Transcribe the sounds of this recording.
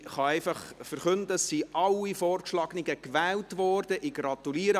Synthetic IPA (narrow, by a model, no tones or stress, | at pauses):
χɑɛɪfɑχfəɾχɵndəsːiʔɑlːifɔːrkʃlɑɡ̥nɪɡəkʋæːltʋɔːrd̥əʔiɡɾɑt̪uliəɾə